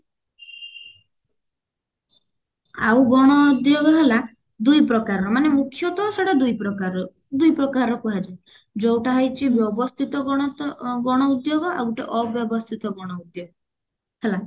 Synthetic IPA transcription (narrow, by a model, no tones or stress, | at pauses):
a̰wɡɔɽ̃ɔud̪joɡɔɦela | d̪ujpɾɔkaɾɔmanemukʰːjɔt̪ɔsɔɽad̪ujpɾɔkaɾɔ | d̪ujpɾɔkaɾɔkuɦad͡ʒaj | d͡ʒowʈaɦɔjt͡ʃʰibjɔbɔst̪ʰit̪ɔ̃ | ɡɔɽ̃ɔud̪joɡɔʔawʈeʔɔbjɔbɔst̪ʰit̪ɔɡɔɽ̃ɔud̪joɡɔ | hela